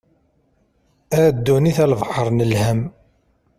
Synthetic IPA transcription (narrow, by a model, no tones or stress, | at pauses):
æɾd̪ːuniθælvħəɾˤnəlhæm